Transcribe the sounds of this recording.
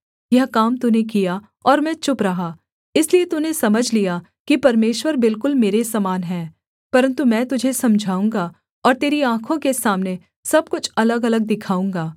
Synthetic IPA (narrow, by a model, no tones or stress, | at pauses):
jɐɦkaːmt̪unek̬ija | ɔːɾmɛ̃ːt͡ʃʊpɾɐɦaː | ɪsliet̪unesɐməd͡ʒʱlija | kipɐɾmeːʃwəɾbɪlkʊlmeːɾesaːmaːnɦɛ̃ː | pɐɾə̃nt̪umɛ̃ːt̪ʊd͡ʒʱesɐmd͡ʒʱaːũːŋɡa | ɔːɾt̪eːɾiãːkʰõkesaːmne | sɐb̚kʊt͡ʃʰɐləɡɐləɡ̚d̪ɪkʰaːũːŋɡaː